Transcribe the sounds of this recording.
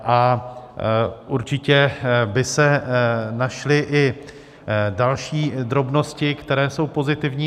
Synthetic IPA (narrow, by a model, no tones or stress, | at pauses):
ʔa | ʔuɾt͡ʃɪcɛbɪsɛnaʃlɪʔɪ | dalʃiːd̪ɾo̞bno̞scɪkt̪ɛɾɛːso̞wpo̞zɪt̪ɪvɲiː